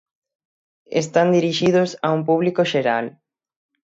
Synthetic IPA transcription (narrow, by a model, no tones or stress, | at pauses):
ḛst̪and̪iɾiʃiðosaumpuβlikoʃeɾal